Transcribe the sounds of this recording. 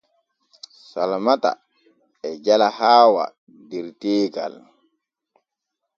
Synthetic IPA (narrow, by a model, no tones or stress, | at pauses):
salamata̰ | ɛd͡ʒalahaːwa̰ | dɛɾteːɡa̰l